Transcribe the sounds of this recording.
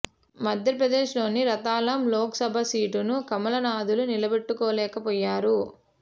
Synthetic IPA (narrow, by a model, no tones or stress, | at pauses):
mɐd̪ʱjɐɾpɾɐd̪eːʂlo̞ːniɾɐt̪aːlɐmloːkɐsɐbʱɐsiːʈunukɐmɐlɐnaːd̪ulunilɐbeʈːukɔːlɛːkɐpɔːjːaːɾu